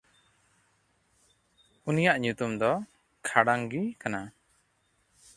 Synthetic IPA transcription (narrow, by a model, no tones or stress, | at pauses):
unijaʔɲut̪umd̪ɔ | kʰaɽaŋɡikana